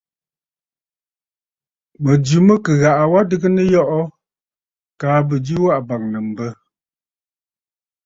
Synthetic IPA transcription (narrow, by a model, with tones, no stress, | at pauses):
mə˨d͡ʒʉ˨˦mə˦kə˨ɣa˨ʔa˨wa˦dɨ˦ɡə˦nə˦jɔ˦ʔɔ˦ | kaː˨˦bə˨d͡ʒi˦wa˦ʔba˨ŋnə˨m̩˨bə˦